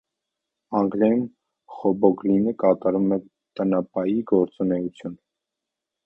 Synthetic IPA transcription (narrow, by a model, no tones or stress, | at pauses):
ɑŋɡɾɛjum | χɔbɔɡlinəkɑt̪ɑɾumɛ | t̪ənɑpɑjiɡɔɾt͡sunɛut͡sʰjun